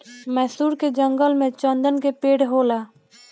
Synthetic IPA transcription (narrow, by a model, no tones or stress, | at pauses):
mɛːsuːɾked͡ʒə̃ŋɡəlmẽt͡ʃənd̪ənkepeːɽɦoːlaː